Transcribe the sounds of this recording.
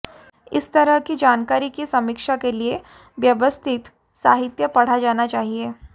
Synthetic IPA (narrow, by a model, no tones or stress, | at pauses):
ɪst̪ɐɾəɦkid͡ʒaːnkaːɾikisɐmɪkʃakelie | ʋjɐʋəst̪ʰɪt̪ | sa̰ːɦɪt̪jəpɐɽ̤ad͡ʒaːnat͡ʃaːɦieː